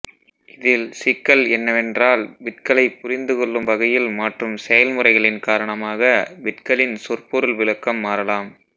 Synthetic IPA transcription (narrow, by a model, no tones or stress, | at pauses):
ɪðɪlsɪkːɐlɛnːɐʋɛndraːlʋɪʈkɐɭɐɪpːʊɾɪnd̪ɯkɔɭːɯmʋɐɣɐjɪlmaːʈrɯmsɛjɐlmɯrɐɪɣɐɭɪnkaːɾɐɳɐmaːɣɐʋɪʈ̚kɐɭɪnsɔrpʊɾɐlʋɪɭɐkːɐmːaːɾɐlaːm